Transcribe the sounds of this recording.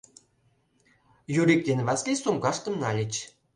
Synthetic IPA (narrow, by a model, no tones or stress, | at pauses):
juɾʲik̚d̪ʲenvæsʲlʲisumɡɑʃt̪ə̆mnɑlʲɘ̆t͡ɕ